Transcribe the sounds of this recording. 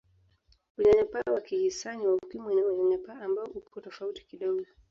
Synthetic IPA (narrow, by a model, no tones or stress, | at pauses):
wiɲaɲapawakihisaɲiwaukimɛɲɛwɛɲaɲapaːmbaɔʔuɔtɔfauti̥kiɗɔɡɔ